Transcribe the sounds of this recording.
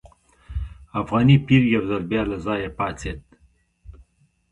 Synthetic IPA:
afɣɑːnipiɾjawzalbjɑːlazɑːjepɑːt͡set̪̚

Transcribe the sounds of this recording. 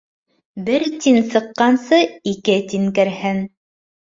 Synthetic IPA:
bɘɾt̪insɤ̆qːɑnsɤikɘt̪iŋkɘ̆ɾhɘn

